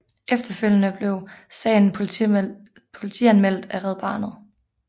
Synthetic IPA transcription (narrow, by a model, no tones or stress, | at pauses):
ʔefd̥ɐføl̰jənəb̥le̝ʊsɛ̰ːɪn̩ | pʰo̝lit͡sʰiænmel̰d̥æʁɛð̞̩ˠb̥ɑ̰̈ːnð̩ˠ